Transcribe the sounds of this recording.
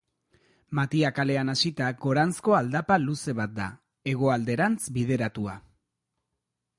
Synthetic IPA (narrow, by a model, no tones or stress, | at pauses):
mat̪iakale̞anasit̪aɡo̞ɾansko̞ald̪apaluse̞βat̪̚d̪a̰ | e̞ɣ̞o̞ald̪e̞ɾant͡sbið̞e̞ɾat̪ua